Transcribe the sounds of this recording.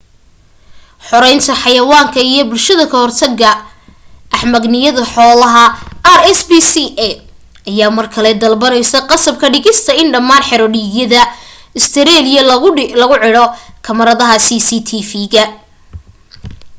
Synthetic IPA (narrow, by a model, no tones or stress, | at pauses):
ħɔɾɛjnt̪ʰɐħɑjɐwaːŋkʰɐijɞbʊlʃɐðɐkʰɐhɔrt̪ʰɐɡɐ | ʔɐħmɐɡnɪjɐðɐħɔːlɐɦɐɐɾɛsbiːsiʔɛ | ɐjaːmɐrkʰɐlɛd̪ɐlbɐnɛjsɐqɑsɐb̚kʰɐɖɪɣɪst̪ʰɐɪnɖɐmaːnħɛɾɔɖɪjɐðɐ | ɪst̪ʰɛɾɛːlɪjɐlɐʊlɐɣʊʕɪɽɔkʰɐmɐɾɐðɐɦɐsisiːt̪ʰifiːɣɐ